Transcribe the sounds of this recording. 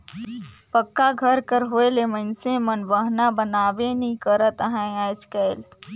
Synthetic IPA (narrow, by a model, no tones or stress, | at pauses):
pəkːaɡʱəɾkəɾɦoːelemə̃nsẽmənʋəɦnabənaːʋenĩkəɾət̪ɦɛ̃aːd͡ʒkəːl